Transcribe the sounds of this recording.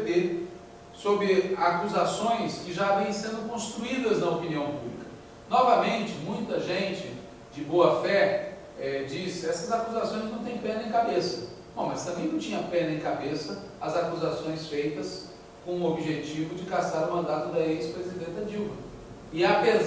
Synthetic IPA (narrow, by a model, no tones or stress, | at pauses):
d̪e | sobɾɪakuzasõj̃skɪʒavẽj̃sẽnd̪ʊkõst̪ɾuid̪ɐznɐopiniɐ̃w̃publikɐ̥ | nɔvɐmẽnt͡ʃɪmũj̃t̪ɐʒẽnt͡ʃɪ | d͡ʒɪboɐfɛ | ɛd͡ʒisɪɛsɐzakuzasõj̃znɐ̃w̃t̪ẽj̃pẽnɐẽkabesɐ | bɐ̰̃w̃mɐst̪ɐ̃mbẽj̃nɐ̃w̃t͡ʃĩɲɐpẽnɐẽkabesɐ | ɐzakuzasõj̃sfejt̪ɐs | kõũobiʒet͡ʃivʊd͡ʒɪkasaɾʊmɐ̃nd̪at̪ʊd̪ɐespɾezid̪ẽnt̪ɐd͡ʒiwmɐ | ɪapez